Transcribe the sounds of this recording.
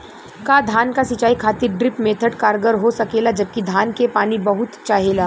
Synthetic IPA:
kaːd̪ʱaːnkasɪt͡ʃaːikʰaːt̪ɪɾɖɾɪpmeːt̪ʰəʈkaːɾɡəɾɦosɐkeːlad͡ʒɐb̚kid̪ʱaːnkepaːnibɐɦʊt̪t͡ʃaːɦeːlaː

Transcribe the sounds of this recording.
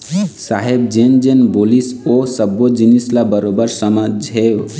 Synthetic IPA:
saɦebd͡ʒend͡ʒenbolisosəbːod͡ʒinislabəɾobəɾsəmad͡ʒɦew

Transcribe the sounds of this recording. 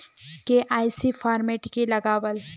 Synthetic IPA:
keʔaːɪsifʰaːɾmeːʈkilɐɡaːwəl

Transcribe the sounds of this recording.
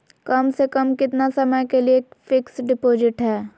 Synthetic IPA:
kɐmsekəmkɪt̪nasɐməjkelieːkfʰɪksɖɪpoːd͡ʒɪʈɦɛː

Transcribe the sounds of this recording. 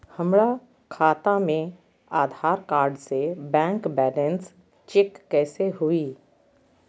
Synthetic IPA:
həmɽa | kʰaːt̪amẽ | aːd̪ʱaːɾkaːɾɖsebɛ̃ːŋkbɛːləns | t͡ʃɪkːɛːseɦui

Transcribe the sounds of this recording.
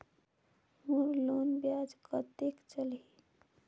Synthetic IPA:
muɾlonbjad͡ʒkət̪ekt͡ʃəli

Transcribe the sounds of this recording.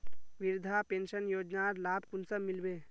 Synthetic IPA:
ʋɪɾd̪ʱapẽːnʃənjoːd͡ʒnaɾlaːbʱkʊnsəmɪlbeː

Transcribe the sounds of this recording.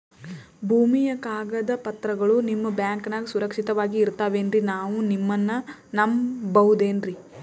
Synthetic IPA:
bʱuːmijɐkaːɡɐd̪ɐpɐt̪ɾɐɡɐɭunimːɐbjaːŋkɐnaɡsuɾɐkʂit̪ɐʋaːɡiːɾt̪aːʋe̞ːnɾinaːʋunimːɐnːɐnɐmbɐɦud̪eːnɾi

